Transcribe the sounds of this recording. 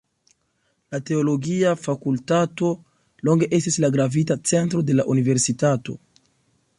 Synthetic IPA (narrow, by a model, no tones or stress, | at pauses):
late̞olo̞ɡiafakultato̞ | loŋɡe̞ʔe̞stislaɡɾavitat͡se̞ntɾo̞de̞laʔunive̞ɾsitato̞̰